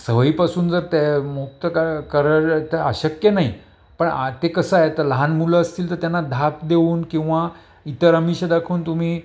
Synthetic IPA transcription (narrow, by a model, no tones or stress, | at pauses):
səʋəiːpasuːnd͡zəɾt̪emuk̚t̪əkakəɾəɾt̪eə̰ɕəkjənaɦi | pəɳat̪ekəsəaɦet̪əɾləɦanmuləːst̪iːlt̪əɾt̪janːad̪ʱak̚d̪euːnkĩw̃ʋa | it̪əɾamiɕəd̪akʰuːnt̪um̤iː